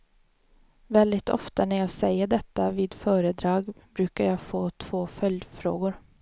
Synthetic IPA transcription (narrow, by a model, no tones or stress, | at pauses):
vɛld̪ɪt̪ʰɔ̰ft̪anæɾjɑːɡsɛjːəɖɛt̪ːaviːd̪fœːɾəd̪ɾɑːɡbɾʉ̟ːkaɾjɑːɡfoːt̪ʰv̥oːfœljd̪fɾo̰ːɡʊɾ